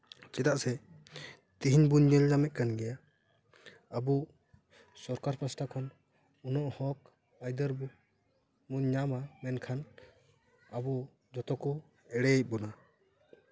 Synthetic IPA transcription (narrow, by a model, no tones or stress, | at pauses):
t͡ʃɛt̪aʔsɛ | t̪iɦiɲbuɲɲəɲnamɛc̪̚kanɡɛja | abu | sɔɾkaɾpasʈakʰɔn | unɔʔhɔk̚ | ajd̪əɾbu | muɲɲamamɛnkʰan | abu | d͡ʒɔt̪ɔkɔ | ɛɽɛɛc̚ˀbɔna